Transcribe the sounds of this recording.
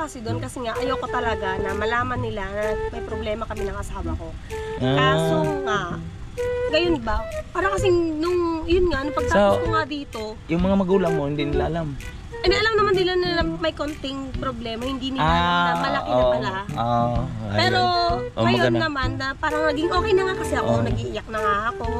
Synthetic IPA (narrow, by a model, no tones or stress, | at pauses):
kɐsɛd̪o̞nkɐsɛŋaʔɐjoko̞t̪ɐlɐɡanɐmɐlaːmɐnːɪlanɐmɐjpɾoblɛːmɐkɐmɪnɐŋʔɐsaːwɐko̞ | kaːsoŋaʔ | ɡɐjonbɐpaːɾɐkɐsɪŋnʊŋjʊnŋaʔnʊpɐɡ̚sak̪ːoŋad̪iːt̪o̞jʊŋmɐŋamɐɡuːlɐŋmoɪnd̪inɪlaʔɐlam | ʔɛnd̪iʔɐlamnɐmanːɪlanɪlɐmɐjkont̪ɪŋpɾoblɛːmɐhɪnd̪iːnɪaɐmɐlɐʔɪɐɐlaopɛːɾo̞ʔoɐjmɐonːɐmanːɐpaːɾɐŋnɐɡɪŋʔo̞ːkɛjnɐŋakɐsɛʔɐʔonɐɡiʔɪjak̚nɐŋaʔɐko̞